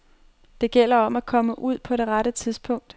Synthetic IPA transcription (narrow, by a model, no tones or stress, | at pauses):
d̥e̝ɡ̥el̰ɐɒ̽mækʰɒ̽məʔuð̞̰ˠpʰɒ̽ɾe̝ʁaɾət͡sʰiðˠsb̥ʰɔ̽ŋ̰d̥